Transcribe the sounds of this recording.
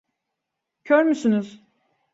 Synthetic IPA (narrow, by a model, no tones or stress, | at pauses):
cʰøɾmysynyz̥